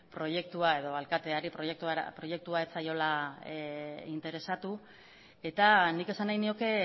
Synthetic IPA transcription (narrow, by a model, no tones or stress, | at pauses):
pɾo̞je̞k̚t̪uae̞ðo̞alkat̪e̞aɾipɾojekt̪ṵpɾo̞je̞k̚t̪uaet͡sajo̞la | int̪e̞ɾe̞sat̪u | e̞t̪anike̞sanajnio̞ke̞